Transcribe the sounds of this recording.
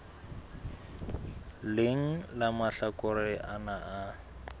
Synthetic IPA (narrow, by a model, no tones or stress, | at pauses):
lɪŋ̩lamaɬakʼʊrɪʔanaʔa